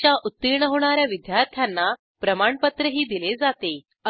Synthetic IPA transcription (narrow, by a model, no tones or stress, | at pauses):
t͡ɕjaʔut̪ːiɾɳəɦoɽ̃aɾjaʋid̪jaɾt̪ʰjanːa | pɾəmaɳpət̪ɾəɦiːd̪iled͡zat̪e | ə